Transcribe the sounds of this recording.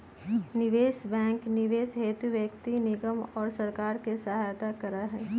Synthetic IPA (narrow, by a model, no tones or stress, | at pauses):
nɪʋeːsbɛ̃ːŋknɪʋeːsɦeːt̪uʋjəkt̪inɪɡəmɔːɾsɐɾkaːɾkesɐɦaːjt̪akɐɾaɦɛː